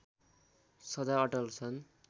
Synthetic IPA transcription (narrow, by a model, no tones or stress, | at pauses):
sʌd̪aʌʈʌlt͡sʰʌn